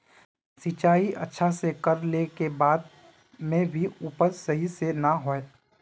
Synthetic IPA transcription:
sit͡ʃaːiʔɐ̰tːʃʰasekəɾlekebaːd̪̚ | mẽbʱiuːpəɾsɐɦisenaɦoe

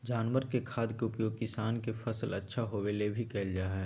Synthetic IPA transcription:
d͡ʒaːnʋəɾkekʰaːd̪keʊpjoːɡ̚kɪsaːnkefɐsəlɐ̰tːʃʰaɦoːwelebʱikɛːld͡ʒaːɦɛː

